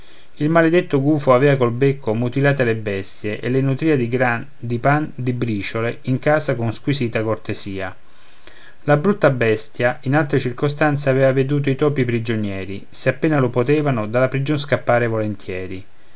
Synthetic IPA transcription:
ilmaled̪et̪ːoɡuːfoavɛːvakolbekːomut̪ilaːt̪elebɛst̪jeʔelenut̪ɾiːad̪iɡ | d̪ipand̪ibɾiːt͡ʃoleiŋkaːsakonskwisiːt̪akort̪eziːa | labɾut̪ːabɛst̪jainalt̪ɾet͡ʃirkost̪ant̪seavɛːvaved̪uːt̪̬oit̪ɔːpipɾid͡ʒonjɛːɾi | seapːeːnalopot̪ɛːvanod̪alapɾid͡ʒonskapːaːɾevolent̪ʰjɛːɾi

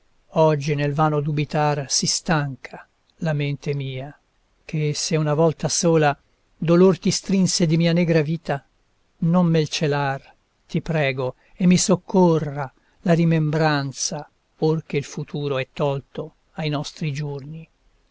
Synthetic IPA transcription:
ɔd͡ʒːinelvaːnod̪ubit̪arsist̪aŋkʰa | lament̪emiːa | k̟ʰeseunavɔlt̪asoːla | d̪olort̪ist̪ɾinsed̪imiːanɛːɡɾaviːt̪a | nomːelt͡ʃelar | t̪ipɾɛːɡo | emːisokʰːora | laɾimembɾant̪sa | ork̟eilfut̪ʰuːɾoɛt̪ːɔlt̪o | ajnɔst̪ɾid͡ʒorni

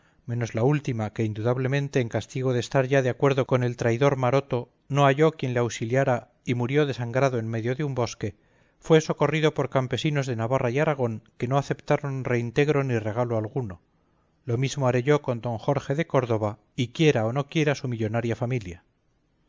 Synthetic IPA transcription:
mẽ̞no̞zlault̪imake̞ind̪uðaβle̞mẽ̞nt̪e̞ːŋkast̪iɣo̞ðest̪aɾʝaðeakwe̞ɾðo̞ko̞ne̞lt̪ɾaiðo̞ɾmaɾo̞t̪o̞ | no̞aʝo̞kje̞nleawsiljaɾa | imuɾjo̞ðe̞saŋɡɾaðo̞e̞nme̞ðjoðeumbo̞ske̞ | fwe̞so̞ko̞riðo̞po̞ɾkampe̞sino̞zðe̞naβarajaɾaɣ̞o̞ŋke̞noaθe̞pt̪aɾo̞nre̞int̪e̞ɣɾo̞nire̞ɣaloalɣuno̞ | lo̞mizmoaɾe̞ʝo̞ko̞nd̪o̞ŋxo̞ɾxe̞ðe̞ko̞ɾðo̞βa | ikje̞ɾaono̞kje̞ɾasumiʎo̞naɾjafamilja

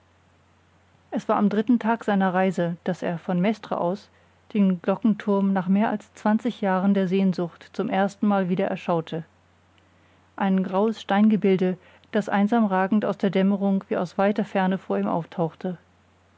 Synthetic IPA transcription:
ʔɛsv̥aːɐamdʁɪtn̩tʰaːkz̥aɪnɐʁaɪzəd̥asḛːɐfɔnmɛstʁ̥a̰ʔa̰ʊs | d̥eːnɡlɔkŋ̩tʰʊɐmnaːχmeːɐʔa̰lst͡sv̥ant͡sɪçjaːʁəndeːɐzeːnzʊxtt͡sʊmʔeːɐstn̩maːlviːdɐʔɛ̰ɐʃaʊtʰə | ʔaɪnɡʁaʊəsʃtaɪnɡəbɪldə | d̥asʔa̰ɪnzaːmʁaːɡŋ̩ta̰ʊsd̥eːɐdɛməʁʊŋv̥iːaʊsv̥aɪtɐfɛɐnəfoːɐiːmʔa̰ʊftʰaʊxtʰə

